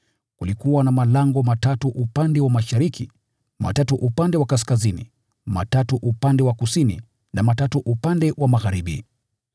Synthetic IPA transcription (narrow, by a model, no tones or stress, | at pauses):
kulikuwanamalaŋɡɔmatatuʔupandɛwamaʃaɾikʰi | ma̰tatuʔupandɛwakas̬kazinḭ | ma̰tatuʔupandɛwakusinḭ | namatatuʔupandɛwʔamaɣaɾiɓḭ